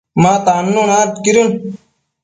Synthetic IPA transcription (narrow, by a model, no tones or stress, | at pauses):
mãːt̪aːnːoːnaːɾt̪kiɾjuːn